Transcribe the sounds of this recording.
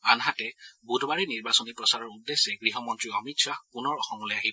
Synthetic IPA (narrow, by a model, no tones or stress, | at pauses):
anɦatɛbudʱbaɹiniɹbasɔnipɹɔsaɹɔɹudːesːɛɡɹiɦɔmɔntɹiɔmitsapunɔɹɔxɔmulɛjaɦi